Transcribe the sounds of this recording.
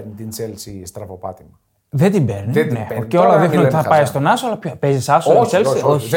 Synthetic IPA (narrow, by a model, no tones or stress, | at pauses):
t̪int͡selsist̪ɾɐvopɐ̰t̪imɐ | ðed̪imbeɾnineceolɐðixnnont̪iθɐpɐjst̪o̞nɐsoɐlɐpçopezisɐsoselsioçi